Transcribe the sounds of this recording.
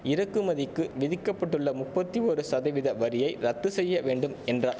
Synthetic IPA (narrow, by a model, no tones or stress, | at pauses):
ɪɾɐkːɯmɐðɪkːɯʋɪðɪkːɐpːɐʈːɯɭːɐmʊpːɐt̪ːiɔɾɯsɐðɐɪʋɪðɐʋɐɾɪjɐɪɾɐt̪ːɯsɛjːɐʋeːɳɖɯmɛndraː